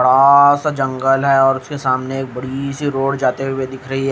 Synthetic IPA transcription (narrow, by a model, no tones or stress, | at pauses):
ɐɽasad͡ʒɐ̃ŋɡəlɦɛɔːɾʊskesaːmneeːk̚bɐɽisiɾoːɽd͡ʒaːt̪ewewed̪ɪkʰɾɐɦiɦɛ